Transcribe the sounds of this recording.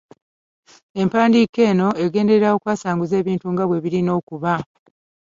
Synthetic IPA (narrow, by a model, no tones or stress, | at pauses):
e̞mpaːndiːke̞ːno̞e̞ɡe̞ːnde̞ɾeɾawo̞kwaːsaːŋɡuze̞ːβiːntuŋɡaβwe̞βiɾino̞ːkuβa